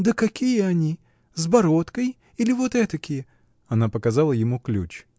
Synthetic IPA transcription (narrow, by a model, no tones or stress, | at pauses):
d̪əkɐkʲijəɐnʲi | zbɐɾot̪kəj | ilʲɪvot̪ɛt̪əkʲɪjə | ɐnapəkɐzalˠəjɪmuklʲṵt͡ɕ